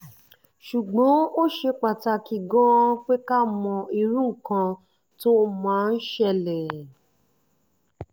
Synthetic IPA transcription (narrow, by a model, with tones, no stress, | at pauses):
ʃu˨ɡ͡bɔ̃˨˦o˦ʃe˧k͡pa˨ta˧ki˧ɡɔ˦k͡pe˦ka˦mɔ̃˧i˧ɾũ˦˨kã˧ | to˦mãː˨˦n̩˦ʃɛ˧lɛ˨